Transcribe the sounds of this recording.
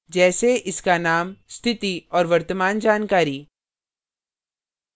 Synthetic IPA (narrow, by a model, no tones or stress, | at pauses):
d͡ʒɛːseʔɪskanaːmst̪ʰɪt̪iɔːɾʋɐɾt̪əmaːnd͡ʒaːnkaːɾi